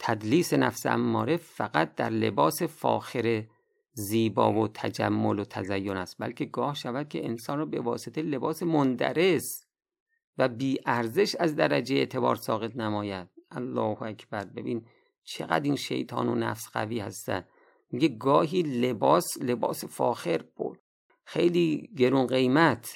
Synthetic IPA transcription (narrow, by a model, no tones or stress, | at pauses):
t̪ʰæd̪liːsenæfsæ̰mːɒːɾefæɣæt̪̚d̪æɾlḛbɒːsefɒ̰ːxeɾe | ziːbɒ̰ːvot̪ʰæd͡ʒæ̰mːolot̪ʰæ̰zæjːonæst̪̚bæ̰lkʰe̞ɡɒːhʃævæd̪̥̚kʰeʔensɒːnrɔːbe̞vɒ̰ːset̪ʰele̞bɒːsemond̪æ̰ɾe̞s | væbiːʔæɾze̞ʃæzd̪æɾæd͡ʒejeːt̪ʰe̞bɒ̰ːɾsɒːɣe̞t̪̚ʰnæmɒːjæd̪̥̚ʔælːɒːhoækʰbæɾbe̞̰biːn | t͡ʃʰe̞̰ɣæ̰d̪iːnʃḛjt̪ʰɒ̰ːno̰næ̰fsɢ̥æ̰viːhæ̰st̪æ̰n | miɟe̞ɡɒːɦiːlebɒːslebɒ̰ːsefɒːxe̞ɾbo | xe̞jliːɟe̞ɾuːnɢe̞jmæt̪ʰ